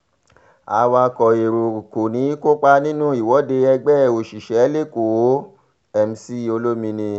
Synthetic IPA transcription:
a̰˧wa˧kɔ˨e˨ɾo˨ko˨nĩ˨˦ko˦k͡pa˧nĩ˦nũ˦˨i˨wɔ˨˦de˧ɛ˧ɡ͡bɛ˦˨o˨ʃi˨ʃɛ˨˦le˦˨ko˨˦ | ɛ˧m̩˧si˦o˧lo˦mĩ˧nĩ˧

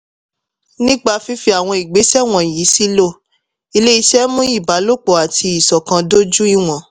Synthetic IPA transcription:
nĩ˦ɡ͡ba˧fi˦fi˧a˨w̃ɔ̃˧i˨ɡ͡be˨˦ʃɛ˦w̃ɔ̃˨ji˨˦si˦lo˦˨ | i˧le˦i˧ʃɛ˦mũ˦i˦˨ba˨˦lo˦k͡pɔ˨a˨tʰi˧i˨sɔ˨kã˧do˦d͡ʒu˦i˦w̃ɔ̃˨

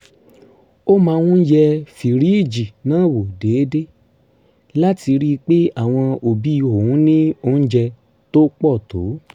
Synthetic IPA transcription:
o˦mãː˧wũ˦jɛ˧fi˨ɾi˨˦i˦˨d͡ʒi˨nãː˨˦˨wo˨de˨˦de˦ | la˦ti˧ɾi˦˧k͡pe˦a˦˨w̃ɔ̃˧o˨bi˨˦i˧o˨wũ˨˦nĩ˦o˧n̩˦d͡ʒɛ˧ | to˦k͡pɔ˦˨to̰˨˦

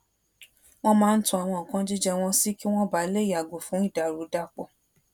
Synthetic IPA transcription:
w̃ɔ̃˦mãː˦˧n̩˦tũ˦a˨w̃ɔ̃˧˨kã˨˦d͡ʒi˦d͡ʒɛ˧w̃ɔ̃˧si˦ki˦w̃ɔ̃˦ba˦le˦˨a˨ɡo˨fũ˨˦i˦˨da˨ɾu˨˦da˦˨k͡pɔ˨

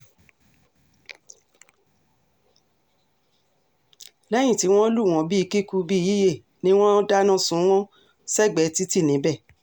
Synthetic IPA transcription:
lɛ˦j̃ĩ˦˨ti˨˦w̃ɔ̃˦lu˦˨w̃ɔ̃˨˦bi˦i˧ki˦ku˧bi˦ji˦je˦˨ | nĩ˦w̃ɔ̃˦da˦nã˦sũ˨˦w̃ɔ̃˦ | sɛ˦˨ɡ͡bɛ˨˦ti˦ti˦˨nĩ˨˦bɛ˦˨

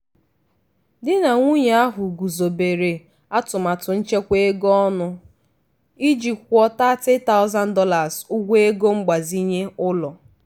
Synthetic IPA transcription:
dɪ˦na˨ŋʷu˦ɲe˨a˦ɦʊ˨ɡu˨zo˨be˨ɾe˨ | a˦tʊ˨ma˨tʊ˨n̩˦t͡ʃe˦kʷe˦e˦ɡɔ˦ɔ˦nʊ˦ | i˦d͡ʒi˨kʷɔ˦ta˦tɪ˦ta˦ʊ˦za˦n̩˦dɔ˦la˨zu˦ɡʷe˦e˦ɡo˦ŋ͡m̩˦ɡ͡ba˨zi˦ɲe˦ʊ˦lɔ˨

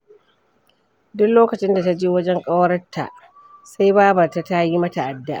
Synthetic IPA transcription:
dʊ˦kloː˦kɐ˨t͡ʃɪ˦nda˨ta˦d͡ʒeː˦wɐ˦d͡ʒɛ˦ŋkʼa˦wɾɐ˦tʰːa̰˨ʔ | sa˦jbaː˦bɐ˨ta˨ta˦ji˦mɐ˦ta˨ʔa˨dːa˦ʔa˨

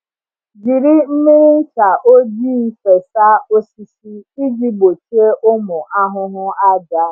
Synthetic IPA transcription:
ɡi˨ɾi˦m̩˦mi˦ɾi˦t͡ʃa˨ʔo˦d͡ʒiː˦fe˨sa˦o˦si˦si˦i˦d͡ʒi˦bo˨t͡ʃi˦e˦ʔʊ˦mʊ˨ʔa˦ɦʊ˦ɦʊ˦a˦da˦

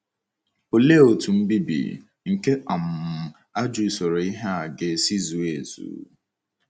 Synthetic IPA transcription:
o˨le˦o˨tu˨m̩˦bi˦bḭ˨ | ŋ̩˨ke˦ʔa˨m̩˨ | a˦d͡ʒu˨so˨ɾo˨i˦ɦe˦a˨ɡe˨si˦zu˨e˨zṵ˨˦

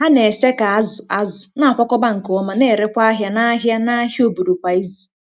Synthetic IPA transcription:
ha˦ne˨se˦ka˨a˦zʊ˨a˨zʊ˨na˦a˨kɔ˦kɔ˦ba˦ŋ̩˨ko˨ɔ˦ma˨ne˦˨ɾe˦kʷa˦a˦ɦja˦na˦ɦja˦na˦ɦi˦o˨bu˨ɾu˨kʷa˨i˦zu̥˨

